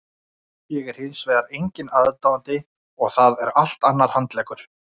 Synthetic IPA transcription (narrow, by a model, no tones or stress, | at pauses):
jɛɣɛɾ̥hɪnsveːðaɾejɲcɪnaðt̪aːwant̪ɪ | ɔɣθaðɛɾal̥t̪anːaɾ̥hant̪lɛːkʏɾ̥